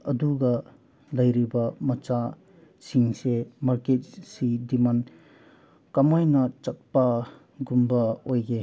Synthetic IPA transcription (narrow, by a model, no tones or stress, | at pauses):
ɐduɡɐ | lɐjɾibɐmɐt͡ʃa | siŋsemaɾket̚sidiman | kɐmajnɐt͡ʃɐt̚pɐ | ɡumbɐojɡe